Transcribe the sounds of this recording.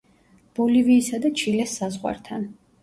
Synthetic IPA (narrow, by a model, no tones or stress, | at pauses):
b̥ɔliviːsad̪at͡ʃʰilɛsːazʁwa̰ɾt̪ʰan